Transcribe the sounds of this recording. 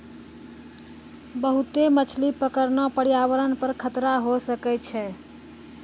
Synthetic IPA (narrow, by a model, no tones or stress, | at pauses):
bəɦut̪emət͡ʃʰlipəkəɾnɔpəɽijaβəɾənpəɾkʰət̪ɾaɦosəkɛt͡ʃʰɛ